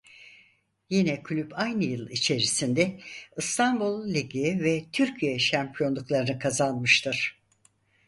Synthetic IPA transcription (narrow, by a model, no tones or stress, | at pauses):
jinɛkʰlʲypajnɯjɯlˠit͡ʃʰe̞ɾisind̪ɛɯst̪ʰanbulˠlʲiɟevɛt̪ʰyɾcʰijɛʃæmpʰijo̞nlˠuklˠaɾɯnɯkʰazanmɯʃt̪ʰɯɾ̥